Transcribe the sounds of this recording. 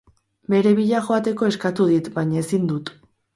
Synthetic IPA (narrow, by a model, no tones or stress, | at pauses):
be̞ɾe̞βiʎaʝo̞at̪e̞ko̞e̞skat̪uð̞it̪bajɲaesind̪ut̪